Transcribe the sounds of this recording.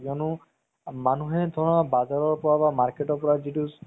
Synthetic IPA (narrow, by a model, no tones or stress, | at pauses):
kɔnu | manuɦɛd̪ʱɔɹnabazaɹɔɹpɔɹabamaɹkeʈɔɹpɔɹazitu